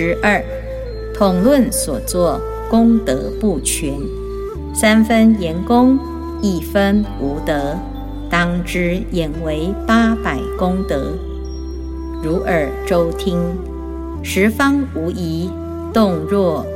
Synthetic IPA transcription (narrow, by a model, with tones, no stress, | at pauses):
ɻ̩˧˥ə˞˥˩ | t̪ʰʊ˨˩ŋlwə˥˩nswɔ˨˩t͡swɔ˥˩ | kʊ˥ŋt̪ɤ̰˧˥pu˥˩t͡ɕʰɥɛ˧˥n | sa˥nfə˥njɛ˧˥nkʊ˥ŋ | i˥˩fə˥nu˧˥t̪ɤ˧˥ | t̪ɑ˥ŋʈ͡ʂɻ̩˥jɛ˨˩nwe˧˥ɪpa˥pa˨˩ɪkʊ˥ŋt̪ɤ˧˥ | ɻu˧˥ʔə˞˨˩ʈ͡ʂo˥ʊt̪ʰi˥ŋ | ʂɻ̩˧˥fɑ˥ŋu˧˥i˧˥ | t̪ʊ˥˧ŋɻwɔ˥˩